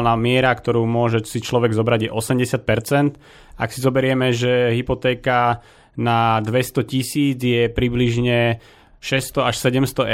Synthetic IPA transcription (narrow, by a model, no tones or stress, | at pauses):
lnaːmɪɛɾakt̪ɔɾuːmʊɔʒɛsit͡ʃlɔʋɛɡzɔbɾaɟjɛʔɔsɛmɟɛsɪat̪̚pɛɾt͡sɛnt̪ | ʔaksizɔbɛɾɪɛmɛʒɛɦipɔt̪ɛːka | nad̪ʋɛst̪ɔcisiːd͡zjɛpɾibliʒɲɛ | ʃɛst̪ɔaʃsɛɟɛmst̪ɔɛ